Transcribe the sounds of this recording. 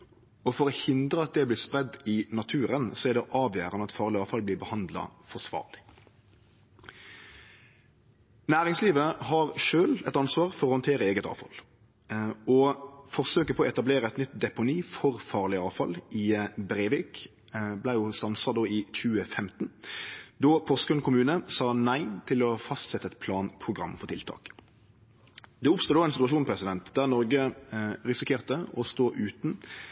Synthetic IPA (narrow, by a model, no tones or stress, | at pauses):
ɔfɔɾɔhɪnd̪ʁəɑt̪̚d̪ɛblɪspʁɛd̪ːɪnɑt̪ʰʉːɾənsɔæd̪ɛʔɑːʋjæːɾənəɑt̪fɑːʁlɪɑːʋfɑlb̪lɪːbəhɑnd̪lɑ̰fɔʂʋɑ̰ːʁlɪ | næːʁɪŋsliːʋəɦɑʁʃøːlɛt̪ɑnsʋɑːʁfɔʁɔhɑnt̪ʰeːɾəeːɡət̪ɑ̰ːʋfɑ̰l | ɔfɔʁsøːkəpʰɔɔɛt̪ɑbleːɾəɛt̪nʏt̪d̪ɛpʊniːfɔʁfɑːʁlɪɑːʋfɑlɪbɾeːʋiːk | blæɪjʊst̪ɑnsɑd̪oːic͡çʉːəfɛmt̪n̩d̪ɔpʰɔskʉnkʰʊmʉːnəsɑːnæɪt̪ʰɪlɔfɑst̪sɛt̪ːəɛt̪pʰlɑːnpʰʁʊɡʁɑ̰mːfɔʁt̪ʰɪlt̪ʰɑ̰ːk | d̪ɛʊpst̪uːd̪oːæɪnsɪt̪ʉʋɑʃuːnpʰɾɛsɪd̪ɛnt̪d̪æʁnɔʁɡəʁɪsɪkʰeːʁt̪əɔst̪oːʔʉːt̪n̩